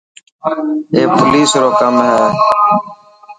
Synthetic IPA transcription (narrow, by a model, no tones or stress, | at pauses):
eːpʊliːsɾoːkəmɦɛː